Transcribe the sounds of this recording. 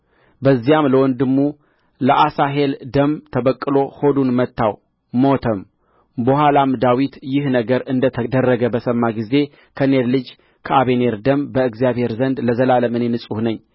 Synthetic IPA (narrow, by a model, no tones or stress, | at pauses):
bəzːijamləwɔnd̪ɨmːu | ləʔasaɦe̞ld̪əmt̪ʰəβəkʼːɨlo̞ho̞d̪unmət̪ːaw | mo̞t̪ʰəm | bəhalamd̪awit̪jɪhnəɡəɾɨnd̪ət̪ʰəd̪ərːəɡəbəsəmːaɡize̞ | kʰəneɾlɨd͡ʒ | kʰəaβeneɾd̪əmbəɨɡzijaβhe̞ɾzənd̪ləzəlaləmɨnenɨsʼuhnəɲː